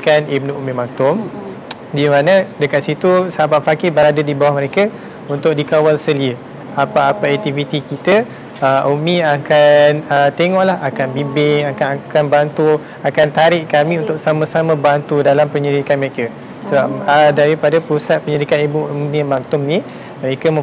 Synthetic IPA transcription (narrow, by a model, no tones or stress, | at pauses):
kanib̚nuʔumimaŋt̪ʊm | dimanə̃dəkat̪̚sit̪usabaʔfakɪbəɾadadibawahməɾeka | unt̪ʊk̚dikawalsəliə | apaːpaɛk̚t̪ivit̪ikit̪ə | əʔumĩakanət̪eŋɔʔlahakanbibɪŋakanakanbant̪u | akant̪aɾɪʔkamĩunt̪ʊksamə̃samə̃bant̪udalampəɲədikanməɾeka | səbap̚ədaɾipadapɾusat̪̚pəɲədikat̪ibuniamant̪ʊmnĩ | məɾekam